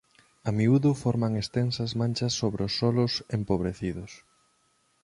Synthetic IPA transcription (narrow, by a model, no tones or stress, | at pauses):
ɐmiuðʊfɔɾmaŋest̪ensɐzmãnʲt͡ʃɐsːoβɾeʊsːɔlʊsempoβ̞ɾeθiðʊs